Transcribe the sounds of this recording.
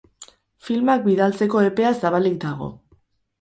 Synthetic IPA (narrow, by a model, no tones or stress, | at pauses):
filmak̚biðalt͡se̞ko̞e̞pe̞asaβalik̚d̪aɣ̞o̞̰